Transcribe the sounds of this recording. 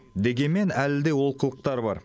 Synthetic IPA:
d̪e̞ɡʲe̞nme̞nælɪd̪e̞wo̞lˠqəlˠəq̚t̪ɑɾbɑɾ

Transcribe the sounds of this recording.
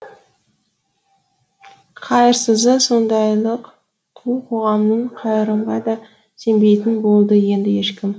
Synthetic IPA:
qʰɑjəɾsəzəso̞nd̪ɑjlˠəq | t̪ʰulˠqʰo̞ʁɑmnəɴqʰɑjəɾəmʁɑd̪ɑ | se̞mbe̞jt̪ɪnbo̞lˠd̪əje̞nd̪ɪje̞ʃkʲɪm

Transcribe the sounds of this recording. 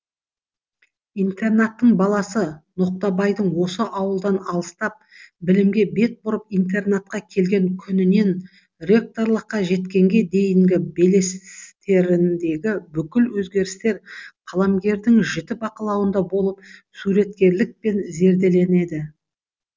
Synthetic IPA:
ijnt̪e̞rnat̪ːəɴbɑlˠɑsənoq̚t̪ɑbɑjd̪əɴwo̞səʔɑwəlˠd̪ɑnɑlˠəst̪ɑp̚ | bɪlɪmɡʲe̞be̞t̪̚bʊɾəp̚ijnt̪e̞rnat̪̚qɑkʲʰe̞lɡʲe̞ŋkʲʰʏnɪne̞n | ɾʲe̞k̚t̪o̞rlˠəqːɑʒe̞t̪kʲe̞ŋɡʲe̞d̪e̞jɪŋɡʲɪbe̞le̞st̪e̞ɾɪnd̪e̞ɡʲɪbʏkʲɪlwɵzɡʲe̞ɾɪst̪e̞ɾqʰɑlˠɑmɡʲe̞ɾd̪ɪŋʒɪt̪ɪbɑqəlˠɑwənd̪ɑbo̞lˠəp̚suɾe̞t̪̚kʲe̞ɾlɪk̚pe̞nze̞ɾd̪e̞le̞ne̞d̪ɪ

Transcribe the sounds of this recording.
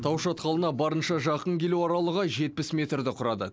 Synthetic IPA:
t̪ʰɑwʃɑt̪qʰɑlˠənɑbɑɾənʃɑʒɑqəŋkʲʰe̞luɑɾɑlˠəʁɑʒe̞t̪̚pɪsmʲe̞t̪rd̪ɪqʰʊɾɑd̪ə̰

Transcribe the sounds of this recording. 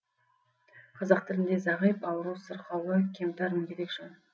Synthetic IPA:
qʰɑzɑqt̪ʰɪlɪnd̪e̞zɑʁijpɑwəɾuwsəɾqʰɑwəkʲʰemt̪æɾmkʲeɾekʃɪn

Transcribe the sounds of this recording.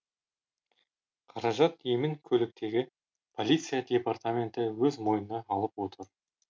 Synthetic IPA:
qʰɑɾɑʒɑt̪jemɪŋkʲʰɵlɪk̚t̪e̞ɡʲɪ | pʰo̞lʲijt̪sɨjad̪ʲe̞part̪amʲe̞nt̪ɪwɵzmo̞jənɑɑlˠəpwo̞t̪əɾ

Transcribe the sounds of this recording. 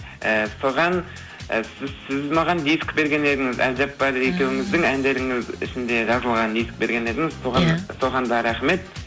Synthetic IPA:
əsoʁɑn | sɪzsɪzmɑʁɑnd̪ijskbe̞ɾɡʲe̞ne̞d̪ɪŋɪzæ̰ld͡ʒap̚bɑɾe̞kʲe̞wɪŋɪzd̪ɪŋænd̪e̞ɾɪŋɪzɪ̰ʃɪnd̪e̞ʒɑzəlˠʁɑnd̪ijsk̚be̞ɾɡʲe̞ned̪ɪŋɪzsoʁɑnso̞ʁɑnd̪ɑɾɑχme̞t̪̚

